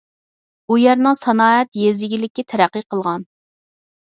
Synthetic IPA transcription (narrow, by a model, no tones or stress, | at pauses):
ujɛɾnɨŋsɑnɑːɛt̪jezɪɡʲilɪkʲːit̪ʰɛɾæqːɨqʰəlˠʁɑn